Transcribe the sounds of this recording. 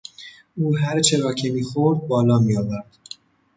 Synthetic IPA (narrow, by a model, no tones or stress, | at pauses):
uːɦæɾt͡ʃʰeɾɒːcʰemiːxoɾd̪̚bɒːlɒːmiːɒːvæɾd̪̥